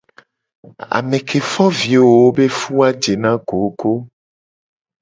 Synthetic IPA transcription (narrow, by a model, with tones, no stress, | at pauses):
a̰˨mẽ˨kʰe˨fɔ˦vi˨wo˨wo˦be˦fu˦a˦d͡ʒe˨nã˦ɡo˨˦ko˦